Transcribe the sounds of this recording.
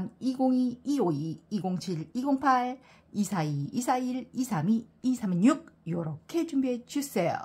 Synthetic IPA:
niɡoŋiioiːɡoŋt͡ɕʰiɾiɡoŋpʰaɭ | isʰaiisʰaiɭisʰamiːsʰamiɲuɡ̚jʌɾʌkʰe̞t͡ɕumbiɦet͡ɕus͈ejo̰

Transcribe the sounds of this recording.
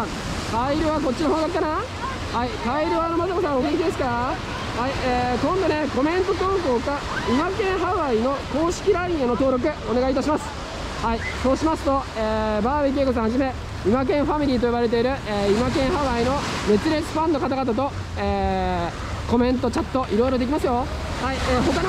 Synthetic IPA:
t̪aiɾɯ̟βako̞t͡ɕ̚ːinoɦõɡ̪akikːana | hait̪aiɾɯ̟βanomazakosãoɡʲikʲid̪esɨ̥ka | haieːkõ̞nd̪one̞ko̞mẽ̞nt̪o̞t̪õːŋko̞ːka | imakẽ̞ɰ̃ɦaβaino̞ko̞ːɕi̥kʲiɾaĩeno̞t̪oːɾo̞k̬ɯ̟o̞ne̞ɡait̪aɕimasɨ̥ | hai | soːɕimasɨ̥t̪o̞eːbaːβek̬ʲiekos̬ãhaʑime̞ | imak̬ẽ̞ɰ̃ɸamʲiɾʲiːt̪̬o̞jiβaɾe̞t̪̬e̞iɾɯ̟eːimak̬ẽ̞ɰ̃ɦaβaino̞me̞t͡sɨɾe̞t͡sɨ̥ɸãnːo̞kat̪aɡat̪̬at̪̬o̞ | eː | ko̞mẽ̞nt̪o̞t͡ɕat̪ːo̞ʔiɾo̞iɾo̞d̪e̞kʲimasɨjo̞ | haieːɦo̞kan

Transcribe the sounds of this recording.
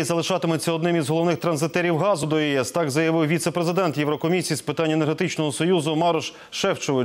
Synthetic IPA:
izɐlˠɪʃɑt̪ɪmʊt͡sʲːɐɔd̪nɪmizɦɔlˠɔʋnɪxt̪ɾɐnzɪt̪ɛɾʲiwɦɑzʊd̪ɔiɛst̪ɑɡzɐjɐʋɪwʋʲit̪sepɾezɪd̪ɛnt̪jɛwɾɔkɔmʲisʲijispɪt̪ɑnʲːenerɦet̪ɪt͡ʃnɔɦɔsɔjuzʊmɑɾɔʃ | ʃɛwt͡ʃɔʋɪ

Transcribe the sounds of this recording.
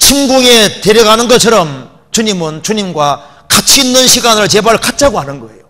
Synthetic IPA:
t͡ɕʰimɡuŋe̞te̞ɾjʌɡanɯnɡʌt͡ɕʰʌɾʌm | t͡ɕuɲimɯnt͡ɕuɲimɡwa | kat͡ɕʰiːnːɯnɕʰiɡanɯɭt͡ɕe̞baɭkat̚t͡ɕ͈ʰaɡoɦanɯnɡʌḛjo

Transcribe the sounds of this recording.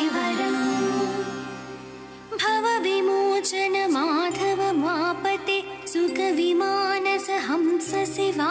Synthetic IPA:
ʋɐɽɐ | bʱɐʋɐʋimoːt͡ʃɐnɐmaːd̪ʰʱɐʋɐmaːpɐt̪e | sʊkɐʋimaːnɐsɐɦɐmsɐseʋa

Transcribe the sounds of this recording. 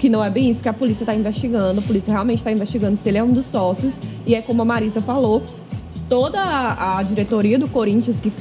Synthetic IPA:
kɪnɐ̃w̃ɛbẽj̃isʊ̥kɪɐpolisiɐt̪aĩvesʃt͡ʃiɡɐ̃d̪ʊɐpolisiɐɦeawmẽnt͡ʃɪ̥t̪aĩvest͡ʃiɡɐ̃nd̪ʊsɪelɪɛũd̪ʊsɔsiʊsɪɛkõmʊɐmaɾizɐfalo | t̪od̪ɐːd͡ʒiɾet̪oɾiɐd̪ʊkoɾĩnt͡ʃiɐskɪ

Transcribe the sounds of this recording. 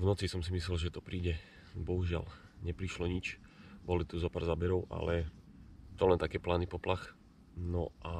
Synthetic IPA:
vnɔt͡sisɔmsimislɛlʒɛt̪ɔpɾiːɟɛ | bɔɦuʒɪa̰l | ɲɛpɾiʃlɔɲit͡ʃ | bɔlit̪uzɔpaɾzaːbɛɾɔʊʔa̰lɛ | t̪ɔlɛnt̪akɛːplaːnipɔplax | nɔʔa

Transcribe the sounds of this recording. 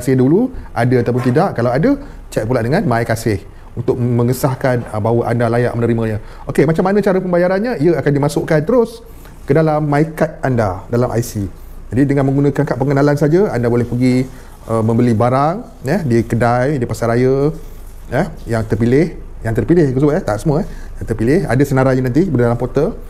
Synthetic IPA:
kasɪhduluʔadəat̪awp̬ʊnt̪idaʔkːalawadə | t͡ʃapulaʔdəŋanmaikasɪh | unt̪ʊk̚mə̃ŋəsahkanəbawəʔa̰ndalaja̰ʔmənəɾimə̃ɲə̃ | ʔokemat͡ʃamːanə̃t͡ʃaɾəpəmbajaɾanɲəiəakandimasʊʔkant̪əɾʊs | kədalamːaikat̪̚andadalamʔa̰jsi | d͡ʒadidəŋanmə̃ŋɡunə̃kankaʔpəŋənalansad͡ʒəandabolɛhpəɡi | əmə̃mbəlibaɾaŋ | əhdikədajdipasaɾajə | əhjaŋt̪ərpilɪh | jaŋt̪ərpilɪhkəs̬ubəɛt̪aʔsəmuaɛ | jaŋt̪ərpilɪha̰dəsənaɾaɲənant̪̬ibərdalampot̪əl

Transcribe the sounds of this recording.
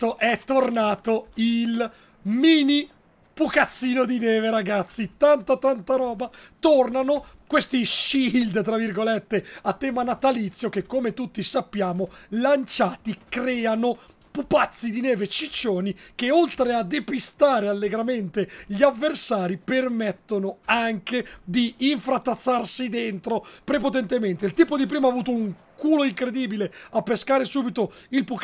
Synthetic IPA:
oʔɛt̪ːornaːt̪oil | miːni | pukat̪sːiːnod̪inɛːveɾaɡat̪sːit̪ant̪at̪ant̪aɾɔːbat̪ornanokwest̪iʃild̪t̪ːɾavːirɡolet̪ːeat̪ːɛːmanat̪alit̪sːjok̟ekːomet̪ut̪ːisapːjaːmolant͡ʃaːt̪ikɾɛːano | pupat̪sːid̪inɛːvet͡ʃit͡ʃːoːnik̟eolt̪ɾead̪epist̪aːɾealːeɡɾament̪eʎiavːersaːɾipermet̪ːonoaŋked̪iːɱfɾat̪ːat̪sːarsid̪ent̪ɾopɾepot̪̬ɛnt̪ement̪eilt̪iːpod̪ipɾiːmaːvuːt̪ouŋ | kuːloiŋkɾed̪iːbileapːeskaːɾesuːbit̪oilpu

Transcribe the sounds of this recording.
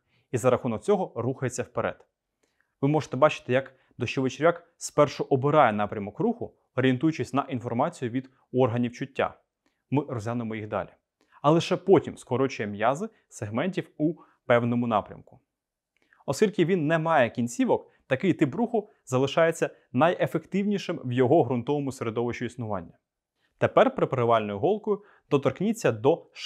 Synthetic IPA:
izɐɾɐxunɔk̚t͡sʲɔɦɔruxɐjet͡sʲːɐwpeɾɛ̰d̪̥ | ʋɪmɔʒe̥t̪ɛbɑt͡ʃɪ̥t̪ɪjɐk | d̪ɔʃt͡ʃɔʋet͡ʃeɾʲʋʲak | spɛrʃɔʔɔbɪɾɑjɛnɑpɾʲɐmɔkruxʊ | ɔɾʲent̪ujʊt͡ʃɪsʲnɐʔinfɔrmɑt͡sʲijʊʋʲid̪ | ɔrɦɐnʲiwt͡ʃʊtʲːa̰ | mɪɾɔzʲjanʊɪmɔjixd̪ɑ̰lʲi | ɐlˠɪʃɛpɔtʲimskɔɾɔt͡ʃʊjɛmjɑzɪ | seɦmɛnʲtʲiwu | pɛwnɔmʊnɑ̰pɾʲɐ̰mkʊ̥ | ɔskʲilʲkɪʋʲinːɛmɑjɛkʲinʲt͡sʲiʋɔk | t̪ɐkɪjt̪ɪbɾuxʊ | zɐlˠɪʃɑjet͡sʲːɐ | nɐjefe̞kt̪ɪwnʲiʃɪmwjɔɦɔɦɾʊnt̪ɔʋɔmʊseɾed̪ɔʋɪʃt͡ʃʊisnʊʋɑ̰nʲːɐ | t̪epɛrpɾɪpɾɪʋɑlʲnɔjʊɦɔlˠkɔjʊ | d̪̥ɔt̪ɔrknʲit͡sʲːɐd̪ɔʃ

